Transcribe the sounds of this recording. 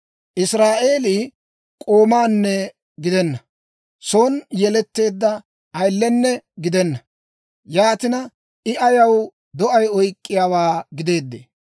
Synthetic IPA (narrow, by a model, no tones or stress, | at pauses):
ʔɪsɾaːʔe̞ːlɪ | kʼoːmaːnːɛ | ɡɪd̪ɛnːɐ | soːnjɛlɛt̪ːe̞ːd̪ːɐ | ʔɐjlːɛnːɛɡɪd̪ɛnːɐ | jaːt̪ɪnɐ | ʔɪʔɐjɐw | d̪ɔʔɐjɔjkʼːɪjaːwaːɡɪd̪e̞ːd̪ːḛː